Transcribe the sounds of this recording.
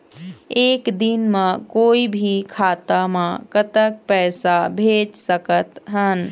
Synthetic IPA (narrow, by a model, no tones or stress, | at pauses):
eːkd̪inmãkoːibʱikʰaːt̪amãkət̪ək̚pɛːsabʱeːd͡ʒsəkət̪ɦən